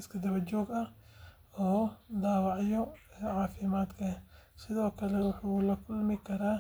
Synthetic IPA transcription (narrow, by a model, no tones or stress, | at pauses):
ɪskʰɐd̪ɐβɐt͡ʃɔːɡɐh | ɔːd̪aːwɑʕjɔɛːʕɑːfɪmaːd̪kʰɐsɪðɔːkʰɐlɛwʊħuːlɐkʰʊlmɪkʰɐɾaː